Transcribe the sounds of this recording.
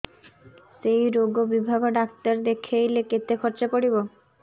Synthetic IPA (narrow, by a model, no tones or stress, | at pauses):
sejɾoɡobibʱaɡoɖakt̪aɾd̪ekʰejleket̪ekʰɔɾt͡ɕepoɽibo